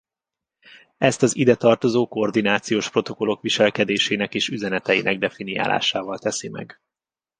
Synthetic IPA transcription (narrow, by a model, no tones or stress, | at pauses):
ɛst̪ɒzid̪ɛt̪ɒrt̪o̞zoːkord̪inaːt̪sijoːʃpro̞t̪o̞ko̞lo̞kʋiʃɛlkɛd̪eːʃeːnɛkeːʃyzɛnɛt̪ɛjḭnɛɡ̚d̪ɛfinija̰ːla̰ːʃaːvɒlt̪ɛsimɛ̰ɡ